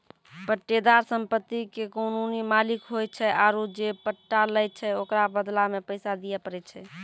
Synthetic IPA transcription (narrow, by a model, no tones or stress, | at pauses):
pəʈːed̪aɾsəmpət̪ːikekonunimalikɦoj̚t͡ʃʰɛʔaɾud͡ʒepəʈːaləjt̚t͡ʃʰɛokɾabəd̪lamepəjsad̪ijɛpəɾɛt̪̚t͡ʃʰɛ